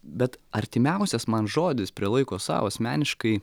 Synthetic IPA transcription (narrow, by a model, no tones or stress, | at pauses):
bʲɛt̪ɐɾʲt̪ʲɪmʲɛʊsʲɛsmɐnʒoːd̪ʲɪspʲɾʲiɛlˠɐɪkoːsɑ̰ːʋoːɐsʲmʲæːnʲɪʃkɐɪ